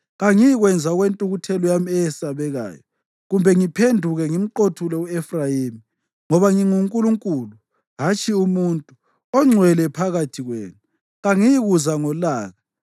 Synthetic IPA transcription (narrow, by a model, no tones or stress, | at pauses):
ɣaŋijiɣwɛnd͡zʱauɣwentʼuɣutʰɛlɔjamiɛjɛsaβɛɣa̰ːjɔ | ɣumbʱɛŋipʰendʱuɣɛŋim̩ǃotʰulɛuɛfrajemi | ŋɔβaŋiŋuŋkʼuluŋkʼuːlu | ɦat͡ʃʰʼiumuntʼu | ɔŋ͡ǀʱwɛlɛpʰaɣatʰiɣwḛːnu | ɣaŋijiɣuzaŋɔlaːɣa